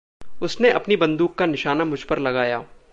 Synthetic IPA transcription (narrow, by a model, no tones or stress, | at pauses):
ʊsneʔɐpnibɐ̃nd̪uːkːanɪʃaːnamʊd͡ʒʱpɐɾlɐɡaːjaː